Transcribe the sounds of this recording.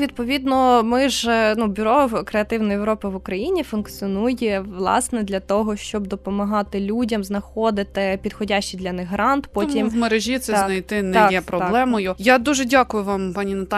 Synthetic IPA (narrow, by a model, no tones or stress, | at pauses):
ʋʲid̪̚pɔʋʲid̪nɔmɪʒnubʲʊɾɔkɾeɐt̪ɪwnɔjeʋɾɔpɪʋʊkɾɐjinʲifʊnkt͡sʲiɔnujɛʋlˠɑ̰snɛd̪lʲɐt̪ɔɦɔʃt͡ʃɔbd̪ɔpɔmɐɦɑt̪ɪlʲudʲɐmznɐxɔd̪ɪt̪ɪpʲid̪xɔdʲaʃt͡ʃid̪lʲɐnɪɦɾɑnt̪pɔtʲimmeɾeʒʲit̪sɛznɐjt̪ɪnɛjɛpɾɔblˠɛmɔjʊjad̪uʒɛdʲakʊjʊʋɑmpɑnʲinɐt̪a